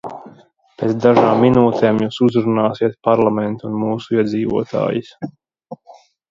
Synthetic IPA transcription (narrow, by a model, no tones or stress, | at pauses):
peːt̪sd̪aʒaːmːinuːt̪ʰeːmjuːsuzɾunaːsiɛt̪̚paɾlˠamɛnt̪uunmuːsuiɛd̪ziːvṵɔt̪ʰa̰ːjis